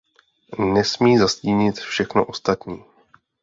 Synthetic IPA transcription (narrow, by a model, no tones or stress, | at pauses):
nɛsmiːzasciːɲɪt̪fʃɛxno̰ʔo̞st̪at̪ɲiː